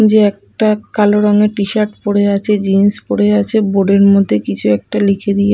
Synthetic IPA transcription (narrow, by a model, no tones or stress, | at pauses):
d͡ʑeɛk̚ʈakaloɾɔŋeʈiʃaɾʈpoɽeat͡ɕʰed͡ʑinspoɽeat͡ɕʰeboɖeɾmod̪ʱːekit͡ɕʰuɛk̚ʈalikʰed̪ie